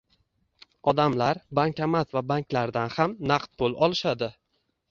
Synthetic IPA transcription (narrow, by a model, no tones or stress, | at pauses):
ɒd̪amlaɾbaŋkʲamat̪vabaŋkʲlaɾd̪anhamnaqt̪̚bolˠʔɒlˠɪʃad̪ɪ